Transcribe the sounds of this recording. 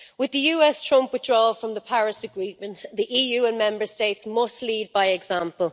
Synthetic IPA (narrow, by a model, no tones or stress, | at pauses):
wɪðəjʉːɛstʰɹ̥ʊ̃mpwɪðdɹɔːfɹə̃mðəpʰaɹɪsəɡɹiːmə̃nʔðiʔiːjʉːə̃nmɛ̃mbə˞steɪtsmʌstliːd̚baɪɛɡzãmpəlˠ